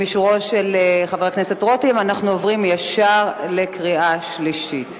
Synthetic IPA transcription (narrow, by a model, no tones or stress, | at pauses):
miʃuʁo̞ʃeleχaveʁeknesetʁo̞timanaχnuovʁimjaʃaʁle̞kʁiaʃliʃit